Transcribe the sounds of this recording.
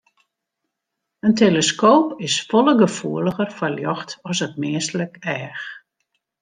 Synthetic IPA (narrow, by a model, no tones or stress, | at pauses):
əntʰeləskoːpɪsfɔləɡəfuələɣərfəljɔxtɔsət̚mɪːsələkɛːx